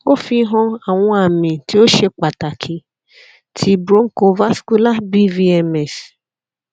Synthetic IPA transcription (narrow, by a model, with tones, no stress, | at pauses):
o˦fi˧˦ɦɔ̃˧a˨w̃ɔ̃˧a˨mĩ˨ti˦o˦ʃe˧k͡pa˨ta˨kʰi˨˦ | tʰi˦bɾo˦ŋ̩˦ko˧va˦sku˦la˦bi˦vi˧˦ɛ˧mɛ˨s